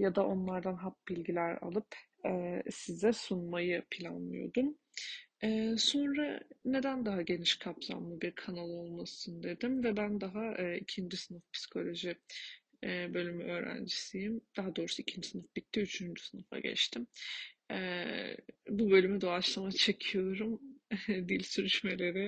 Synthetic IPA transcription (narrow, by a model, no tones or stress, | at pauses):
jad̪aʔo̞nlˠaɾd̪anɦap̚bilʲɟilʲæɾa̰lˠɯp | ɛːsizɛsunmajɯpʰilʲa̰nlɯ̰jo̰ɾd̪um | ɛːso̞nɾane̞d̪ænd̪aɦaɟe̞niʃkʰapsa̰mˠɯbiɾkʰanalˠɯo̞lˠmasɯnd̪e̞d̪imvɛbænd̪aɦaʔɯːicʰind͡ʒisɯnɯfpʰi̥si̥kʰo̞lʲo̞ʒi | ɛːbø̞lʲymy̰ʔø̞ːɾæ̰nd͡ʒisijimd̪̥aɦad̪o̞ːɾusuicʰind͡ʒisɯnɯfbit̚t̪ɛyt͡ʃʰynd͡ʒysɯnɯfa̰ɟɛ̰t͡ʃt̪ʰimɛ | bubø̞lʲymid̪o̞at͡ʃlˠamat͡ʃʰe̞kʰɯjo̞ɾumd̪ilʲsyɾyʃme̞lʲe̞ɾɪ